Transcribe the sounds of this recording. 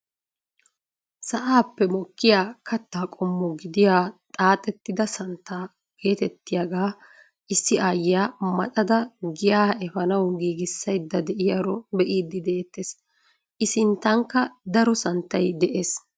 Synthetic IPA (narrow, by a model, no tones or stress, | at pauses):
sɐʔaːpːɛmɔkːɪjaːkʰɐt̪ːaːkʼɔmːɔɡɪd̪ɪjaːt̪ʼaːt̪ʼɛt̪ːɪd̪ɐsɐnt̪ːaː | ke̞ːt̪ɛt̪ːɪjaɡaː | ʔɪsːɪʔaːjɪjaːmɐtʼɐd̪ɐɡɪjaːʔɛfɐnɐwɡiːɡɪsːɐjd̪ːɐd̪ɛʔɪjaɾɔbɛʔiːd̪ːɪd̪eːt̪ːeːs | ʔɪsɪnt̪ːɐŋkːɐd̪ɐɾɔsɐnt̪ːɐjd̪ɛʔeːs